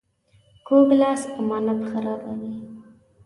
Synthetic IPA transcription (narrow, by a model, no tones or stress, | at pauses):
koɡlɑspəmɑnapxaɾɑbawi